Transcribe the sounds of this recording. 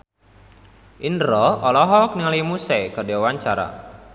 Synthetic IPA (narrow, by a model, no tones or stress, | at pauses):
ʔinɾɔɔlɔɦɔkniŋalimusɛkadewaɲt͡ʃaɾa̰